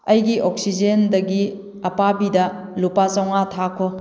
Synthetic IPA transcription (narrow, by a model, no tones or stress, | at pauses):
ɐjɡiʔok̚sid͡ʒendɐɡi | ɐpabidɐ | lupat͡ʃɐwŋatʰakʰo